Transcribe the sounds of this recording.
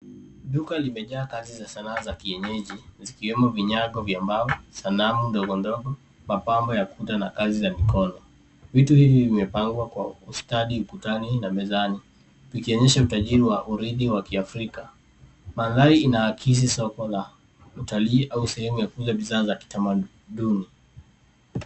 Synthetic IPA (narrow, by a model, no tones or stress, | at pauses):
ɗukalimɛʄaːkazizasanaːzakiɛɲɛʄizikiwɛmɔviɲaɠɔvjambavɔsanamundɔɠɔndɔɡɔ | mapambɔjakutanakazizamikɔnɔ | vituhivivimɛpaŋɡwakwaustaɗiukutaninamɛzani | vikiɔɲɛʃautaʄiɾiwaʔuɾiðiwakiafɾika | maðaiinawakʰis̬isɔkɔla | utaliːʔausɛhɛmujakuzaɓiðaːzaki̥tama | ɗuni